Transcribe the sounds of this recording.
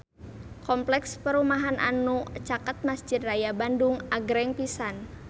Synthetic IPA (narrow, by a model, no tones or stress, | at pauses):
kɔmplɛkspəɾumaɦanʔa̰nut͡ʃakət̪̚masd͡ʒɪd̪̚rajabandʊŋaɡɾɛŋpisan